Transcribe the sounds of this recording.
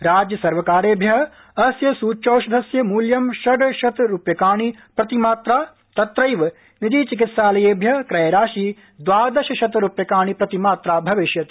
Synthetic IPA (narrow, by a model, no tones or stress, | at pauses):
ɾaːd͡ʒjɐsɐɾʋɐkaːɾeːbʱjɐɦɐ | ɐsjɐsuːt͡ʃoːʃɐd̪ʱɐsjɐmuːljɐmʃɐɖʃɐt̪ɾupjɐkaːɳ̃ipɾɐt̪imaːt̪ɾaː | t̪ɐt̪ɾɐjʋ | nɪd̪iːt͡ʃɪk̬ɪt̪saːlɐjeːbʱjɐkɾɐjɐɾaːʃiː | d̪ʋaːd̪ɐʃɐʃɐt̪ɾupjɐkaːɳ̃ipɾɐt̪imaːt̪ɾaːbʱɐʋɪʃjɐt̪